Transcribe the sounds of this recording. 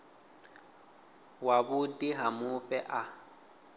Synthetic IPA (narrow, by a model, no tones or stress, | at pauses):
wabʊdiɦamʊpʼɛʔa